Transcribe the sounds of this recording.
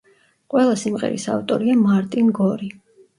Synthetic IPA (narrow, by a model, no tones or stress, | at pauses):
qʼwɛlˠasimʁɛ̰ɾḭsa̰ft̪ʼɔɾiamaɾt̪ʼinɡɔɾi